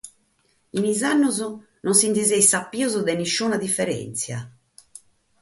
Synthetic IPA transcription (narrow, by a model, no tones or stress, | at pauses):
inizanːuzʊ | nonsint̪izɛjsapːiozɔd̪ɛniʃːuːnad̪ifːɛɾɛ̰nt̪sja̰